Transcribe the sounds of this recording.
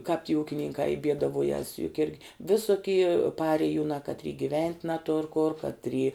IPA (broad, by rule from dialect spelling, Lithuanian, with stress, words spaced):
kɑːp tʲiː ˈuːkʲɪnʲɪŋkɑː ɪ ˈbʲiɛdɐˌʋuɔjɛs jʊk ˈɪrʲɡʲɪ ˈʋʲɪsʊkʲɪ ˈpɑːrʲeːjʊnɑː kɐtʲˈrʲiː ɡʲɪˈʋʲɛnʲtʲ nɐˈtʊr kʊr kɐtʲˈrʲiː